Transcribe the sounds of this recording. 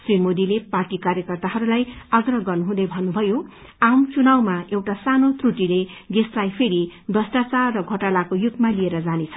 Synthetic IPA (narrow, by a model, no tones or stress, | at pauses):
srimod̪ileparʈikarjʌkʌrt̪aɦʌɾulajʌɡrʌɦɡʌrnuɦũd̪ʌjbʱʌnːubʱʌjo | amt͡sunawmaewʈasanot̪ruʈileɡeslajpʰeɾid̪ʌsʈat͡sarːʌɡʱʌʈalakojut̪ːmalieɾʌd͡zanet͡sʰʌ